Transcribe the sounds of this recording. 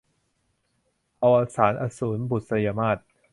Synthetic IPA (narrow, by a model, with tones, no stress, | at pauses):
ʔa˧wʔa˧saː˩˦nʔa˧suː˩˦nbu˨˩t̪̚sa˧jaː˧maː˥˩t̪̚